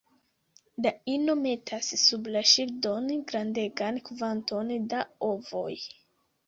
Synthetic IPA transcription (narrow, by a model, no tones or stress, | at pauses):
daino̞me̞tʰasːublaʃildonɡɾande̞ɡankvanto̞ndao̞vo̞̰j